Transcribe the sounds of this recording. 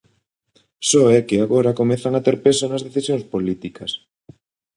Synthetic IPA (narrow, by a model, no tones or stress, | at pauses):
sɔɛkɪaɣoɾɐkomɛθaŋat̪eɾpesonɐzðeθisjõŋspolit̪ikɐs